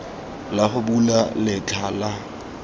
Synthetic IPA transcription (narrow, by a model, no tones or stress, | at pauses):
laχʊbulalɪt͡ɬʰʼaːla